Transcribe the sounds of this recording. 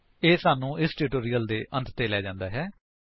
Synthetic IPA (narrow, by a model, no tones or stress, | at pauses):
eːsaːnũːʔɪsʈuːʈoːɾiːəld̪eːʔənt̪t̪eːlɛːd͡ʒãːnd̪aːɦɛː